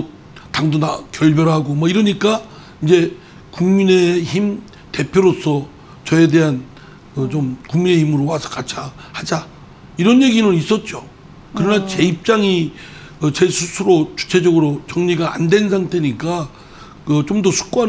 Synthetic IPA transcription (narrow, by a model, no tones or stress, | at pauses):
taŋdonakjʌɭbjʌɾɦaɡomʌiɾʌɲik͈a | ind͡ʑe̞ | kuŋmine̞çim | te̞pʰjoɾosʰʌ | t͡ɕʌe̞de̞ɦan | kɯt͡ɕomkuŋmine̞çimɯɾowasʰʌ̥kat͡ɕʰahad͡ʑa | iɾʌnje̞ɡinɯnis͈ʌt̚t͡ɕ͈o | kɯɾʌnat͡ɕe̞ip̚t͡ɕ͈aŋi | ʌt͡ɕesʰusʰuɾot͡ɕu̥t͡ɕʰe̞d͡ʑʌɡɯɾot͡ɕʌŋɲiɡaa̰ndwe̞nsʰaŋtʰe̞ɲik͈a | kɯt͡ɕomdʌsʰu̥k̚k͈oɦa